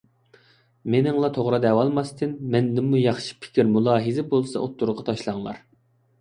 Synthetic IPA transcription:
menɪŋlˠɑt̪ʰoʁɾɑd̪ɛwɑlˠmɑst̪ʰɪnmɛnd̪ɪmːujɑχʃi̥pʰɪ̥kʲiɾmulˠɑːɦizɪbolˠsɑ̰ot̪ːuɾʁɑt̪ʰɑʃlˠɑŋlˠɑ̰ɾ

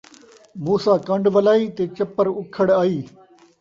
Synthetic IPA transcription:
muːsaːkɐ̃ɳɖʋɐlaːiːt̪eːt͡ɕɐpəɾʊkʰəɽaːiː

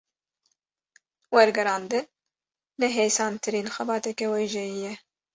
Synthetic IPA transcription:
wɛɾɡɛɾɑːnd̪ɨnː | ɛɦeːjsɑːnt̪ʰɨɾiːnxɛbɑːt̪ɛkɛwejʒɛjijɛ

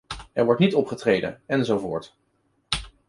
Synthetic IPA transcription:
ɛɹʋɔɹtnitɔpχətrejdə̰nɛnzowvoʊ̰ːɹt

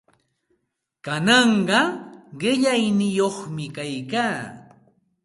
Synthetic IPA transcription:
kanɑɴɢɑɢɪʎajnɪjoχmɪkajkaː

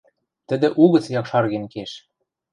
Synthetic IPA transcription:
t̪ɘ̆d̪ɘ̆ʔuɣɤ̆t͡sjɑkʃɑrɣĕnkeʃ

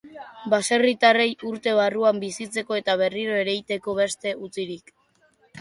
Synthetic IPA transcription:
base̞rit̪are̞juɾt̪e̞β̞aruambisit͡se̞ko̞e̞t̪aβe̞riɾo̞e̞ɾe̞jt̪e̞ko̞βe̞st̪e̞ut͡siɾik

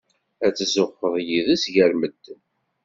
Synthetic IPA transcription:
æt͡sːzʊχːəðˤjiðæsʝæɾməd̪ː

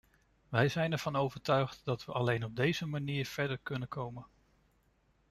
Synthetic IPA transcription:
ʋɛjzɛjnɛɹv̥ɑnowvəɹtœɥχtdɑtʋəʔɑlejnɔb̚dejzəmaniːɹv̥ɛɹdəɹkɵnənkʰowmən

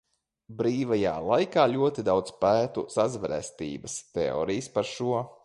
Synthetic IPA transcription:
bɾiːvaja̰ːlˠajkaːlʲuɔt̪id̪awd̪zpæːt̪usazvɛɾɛ̰st̪ḭːbəst̪ɛɔ̰ːɾijspaɾʃuɔ

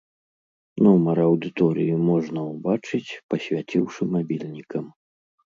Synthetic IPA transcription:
nɔmɐɾɐwd̪ɨt̪ɔɾɨjumɔʐnɐwbat͡ʂɨt͡sʲpɐsʲvʲat͡sʲiwʂɨmabʲilʲnʲikɐm

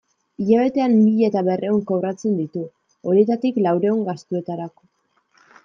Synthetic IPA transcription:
iʎaβ̞e̞t̪e̞anbiʎet̪aβe̞rʔe̞oŋkowrat͡se̞nd̪it̪u | o̞ɾie̞t̪at̪iklawɾe̞uŋɡast̪ue̞t̪aɾako̞̥

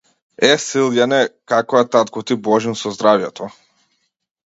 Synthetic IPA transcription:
ɛsilˠjanɛkakɔjat̪at̪̚kɔt̪ibɔʒinsɔzd̪ɾavjɛt̪ʰɔ

